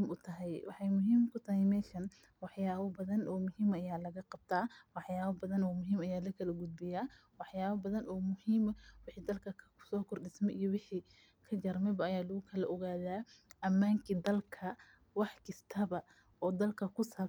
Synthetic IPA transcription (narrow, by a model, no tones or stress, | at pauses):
mʔʊt̪ʰɐɦɛjwɑ̰ħɑjmʊɦiːmkʰʊt̪ʰɐɦɛjmɛːʃɐn | wɑħjaːβɐbɐðɐnʔɔːmʊɦiːmɐjaːlɐɣɐqɑb̚t̪ʰaːwɑħjaːβɐbɐðɐnɔːmʊɦiːmɐjaːlɐkʰɐlɐɡʊd̪̚bɪjaː | wɑħjaːβɐbɐðɐnʔɔːmʊhiːmɐwɪħiːd̪ɐlkʰɐkʰsɔːkʰʊrɖɪsmɛʔijɔwɪħi | kʰɐd͡ʒɐrmɛbɐːjaːlʊɣʊkʰɐlɐʔɔɣaːðaːʔɐmːaːŋkʰid̪ɐlkʰɐ | wɑħkʰɪst̪ʰɐβɐ | ɔːd̪ɐlkʰɐkʰʊsaː